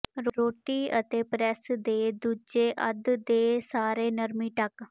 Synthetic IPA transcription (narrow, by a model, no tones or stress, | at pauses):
ɾɾoːʈiːət̪eːpɾɛsd̪eːd̪uːd͡ʒeːʔəd̪d̪eːsaːɾeːnəɾmiːʈək